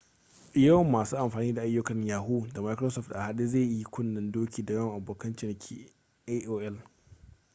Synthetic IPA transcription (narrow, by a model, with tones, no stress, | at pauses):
jɐ˦wmːaː˨suː˦ʔa˨mɸaː˨niː˦da˨ʔa˦jːʊ˦kɐ˨ɲjaː˨ɦuː˦da˨ma˦jkɾo˦sɔ˦˨ftʔa˨ha˨ɗi˦zeː˦˨ji˦kʷʊ˦nːɐ˨ndoː˦kʲiː˨da˨jɐ˦ŋʔa˨boː˨kɐ˦nt͡ʃɪ˨n˨kʲʰḭ˨ | e˦ʔoː˦ʔɛ˦l